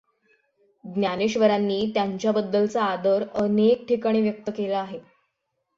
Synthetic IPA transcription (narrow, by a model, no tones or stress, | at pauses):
ɡnjaneɕʋəɾanːiːt̪jaɲt͡ɕjabəd̪ːəlt͡saːd̪əɾənek̚ʈʰikəɽ̃iʋjək̚t̪əkelaːɦe